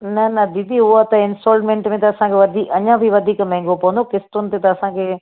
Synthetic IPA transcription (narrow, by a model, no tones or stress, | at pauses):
nɐnɐd̪id̪ʱiʊɦat̪ɐɪ̃nsoːlmẽːɳʈmẽt̪ɐːsãkʰeʋɐd̪ʱiːkɐɲãbʱiʋɐd̪ʱiːkmɛ̃ɦŋɡopɐʋə̃nd̪okɪst̪ʊnɪ̆t̪et̪ɐɐsãkʰeː